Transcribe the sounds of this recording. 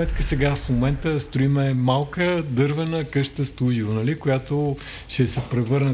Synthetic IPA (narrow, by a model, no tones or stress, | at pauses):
ɛt̪kəsɛɡafmomɛnt̪əst̪oimɛmalˠkəd̪ɤɾvɛnəkɤʃt̪əst̪uʒivonɐlikojat̪o | ʃɛsɛpɾɛvɤɾnə